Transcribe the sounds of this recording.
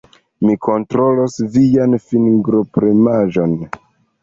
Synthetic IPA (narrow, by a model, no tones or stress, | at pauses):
mikʰo̞ntɾo̞losvijanfinɡɾo̞pɾemaʒo̞n